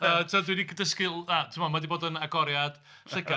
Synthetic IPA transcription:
ətʰadwinikʰədəskɪlˠatʰɪmamadibɔːdənaɡɔɾjad̥ | rɨɡa

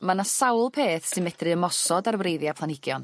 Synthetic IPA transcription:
manassawlˠpʰeːθsɨnmɛd̥rɨəmɔsɔdarwrejðjapʰlˠanɪɡ̥jɔn

